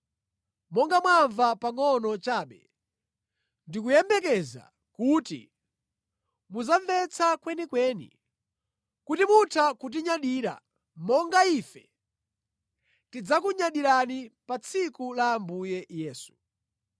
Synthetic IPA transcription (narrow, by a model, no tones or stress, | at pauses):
mɔŋɡamwaɱvapaŋɔnɔt͡ʃaːɓɛ | ndikujɛmbɛkɛza̰ | kutḭ | muzaɱvɛt͡sʰakwɛnikwɛːnḭ | kutimutʰakut̬iɲaɗiɾa̰ | mɔŋɡaifɛ | tid͡zakuɲaɗiɾanipat͡sʰikulambujɛjɛːsu̥